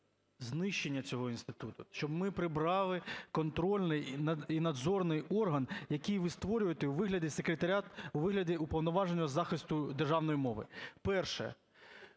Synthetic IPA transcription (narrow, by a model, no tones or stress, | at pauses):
znɪʃt͡ʃːenʲːɐt͡sʲɔɦɔinst̪ɪ̥t̪ut̪ʊʃt͡ʃɔbmɪpɾɪbɾɑlˠɪkɔnt̪ɾɔlʲnɪjnɐinɐd̪zɔrnɪjɔrɦɐnjɐkɪjʋɪst̪ʋɔɾʲʊjet̪euʋɪɦlʲɐdʲisekɾʲet̪ɐɾʲat̪uʋɪɦlʲɐdʲiupɔwnɔʋɑʒenʲːɐzɑxɪst̪ʊd̪erʒɑwnɔjimɔʋɪ̰pɛrʃɛ̰